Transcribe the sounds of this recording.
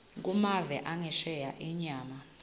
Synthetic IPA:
k̬ʼumavɛʔaŋɛʃɛjaʔiɲaːma

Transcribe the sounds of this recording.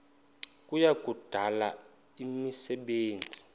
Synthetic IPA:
kʼujak̬ʼud̥ʱala | imisɛɓeːnd͡zʱi̥

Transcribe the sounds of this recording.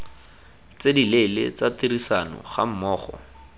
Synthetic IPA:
t͡sedilelɪ̰t͡satirisanɔ̰χa̰m̩mɔːχɔ̰

